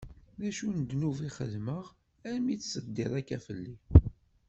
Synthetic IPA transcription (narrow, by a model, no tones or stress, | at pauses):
ðæʃunəd̪nuviχə̰ðməʁ | æɾmit͡sːsəd̪ːɪɾˤækːæfəlːi